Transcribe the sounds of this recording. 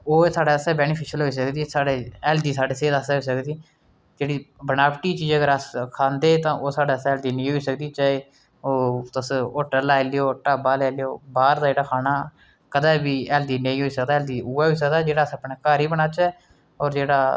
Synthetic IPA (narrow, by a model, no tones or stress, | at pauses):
oːsaːɖaːəsɛːbɛːnɪpʰɪʃəlɦoːiːs̬əkd̪iːsaːɖeːɛːld̪iːsaːɖeːseːd̪əsɛːɦoisəkd̪iː | d͡ʒeːɽiːbənaːpʈiːt͡ʃiːd͡ʒəɡəɾəskʰãːnd̪eːt̪ãːʔoːsaːɖaːəsɛɛːld̪iːnə̃ĩːɦoːiːsəkd̪iːt͡ʃaːeː | oːt̪əsoːʈəɾlɛːleoːʈaːbaːlɛːlejoːbaːɾd̪aːd͡ʒeːɽaːkʰaːnaː | kəd̪aːbiːɛːld̪iːnə̃ĩːɦoːiːsəkd̪aːɛːld̪iːuːaːɦoiːs̬ək̚d̪aːd͡ʒeːɽaːsəpɳɛːkaːɾiːbənaːt͡ʃɛː | ɔːɾd͡ʒeːɽaː